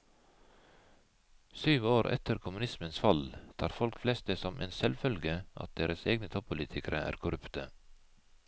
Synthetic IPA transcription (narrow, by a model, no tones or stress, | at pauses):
syːʋoːɾʔɛ̰t̪ʰəɾkʰʊmʉnɪsmənsfɑlt̪ʰɑːɾfɔlkflɛst̪̚d̪eːsɔmʔḛːnsɛlfœlɡəʔɑ̰t̪̚d̪eːɾəseːɡnət̪ʰɔppʰːʊliːt̪ʰɪkəɾəʔæ̰ːɾkʰʊɾʉpt̪ə